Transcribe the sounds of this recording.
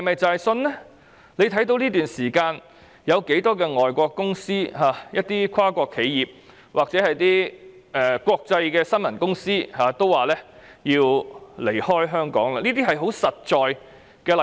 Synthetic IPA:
hɐ˨jmɐ˨jt͡sa˨jsɵ˧nlɛː˥ | le˨˧jt̪ʰɐ˨˥jt̪̬o˧wliː˥t̪yː˨nsiː˨˩kaː˧n | jɐ˨˧wke˨˥jt̪ɔː˥kɛː˧ŋɔː˨jkʷɔː˧kːʊ˥ŋsiː˥ɦaː˨˩jɐ˥t̚t̪iː˥kʰwaː˥kʷɔː˧kʰe˨˧jjiː˨p̚ | waː˨k̚t͡sɛː˨˥hɐ˨jt̪iː˥ | ɛː˨kʷɔː˧k̚t͡sɐ˧jkɛː˧sɐ˥nmɐ˨˩nkʊ˥ŋsiː˥haː˨t̪o˥waː˨lɛː˥ | jiː˧wle˨˩jhɔː˥jɦœː˥ŋkɔ̰ː˨˥ŋla˧niː˥t̪iː˥ɦɐ˨jɦo˨˥wsɐ˨t̚t͡ʃɔː˨j | kɛː˧l

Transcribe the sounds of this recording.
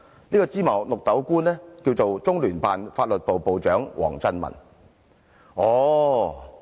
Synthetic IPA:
niː˥kɔ˧t͡siː˥mɐ˨˩wlʊ˨k̚t̪ɐ˨˥wkuː˥nlɛː˥kiː˧wt͡so˨wt͡sʊ˥ŋlyː˨˩npaː˨nfaː˧t̚lɵ˨t̚po˨˩wpo˨wt͡ʃœː˨˥ŋwʔɔ̰ː˨˩ŋt͡sɐ˥nmɐ̰˨˩n | ɔː˨˧

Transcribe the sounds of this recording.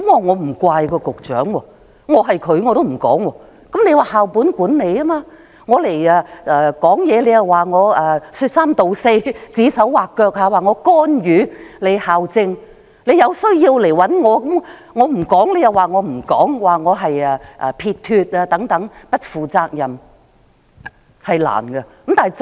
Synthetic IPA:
kɔ˨˦mwɔː˨˩ŋɔː˨˧m̩˨˩kʷaː˧jkɔː˧kʊ˨k̚t͡ʃœ̰ː˨˥ŋwɔː˧ | ŋɔː˨˧ɦɐ˨jkʰɵ˨˧ɥŋɔː˨˧t̪o˥wm̩˨˩kɔ̰ː˨˥ŋwɔː˧ | kɐ˨˥mne˨˧jwaː˨ɦaː˨˩wpuː˨˥nkuː˨˥nne˨˧jaː˥maː˧ | ŋɔː˨˧le˨˩jaː˧ɛː˨kɔː˨˥ŋjɛː˨˧le˨˧jɐ˨waː˨˩ŋɔː˨˧ɐː˨˧syː˧t̚saː˥mt̪o˨wse˧jt͡siː˨˥sɐ˨˥wwaː˨˩kkːœː˧k̚haː˨˧waː˨ŋɔː˨˧kɔː˥njyː˨˧le˨˧jhaː˨wt͡sɪ˧ŋ | le˨˧jɐ˨˧wsɵ˥ɥjiː˧wle˨˩jwɐ˨˥nŋɔː˨˧kɐ˨˥mŋɔː˨˧m̩˨˩kɔː˨˥ŋle˨˧jɐ˨waː˨˩ŋɔː˨˧m̩˨˩kɔ̰ː˨˥ŋwaː˨˩ŋɔː˨˧ɦɐ˨jɛː˨˧ʔɐː˨pʰiː˧t̚t̪ʰyː˧t̚aː˧t̪ɐ˨˥ŋt̪ɐ˨˥ŋpɐ˥t̚fuː˨t͡saː˧k̚jɐ˨m | hɐ˨jla̰ː˨˩nɡɛ˧kɐ˨˦mt̪aː˨˩n˨˩

